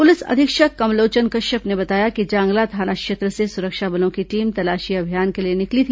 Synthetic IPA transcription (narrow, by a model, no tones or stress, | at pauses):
pʊlɪsɐ̰d̪ʱɪkʃəkɐmloːt͡ʃənkɐʃəpnebɐt̪aːjakid͡ʒãːŋɡlat̪ʰaːnakʃeːt̪ɾəsesʊɾəkʃabɐlõkiʈiːmt̪ɐlaːʃiɐbʱijaːnkelienɪklit̪ʰi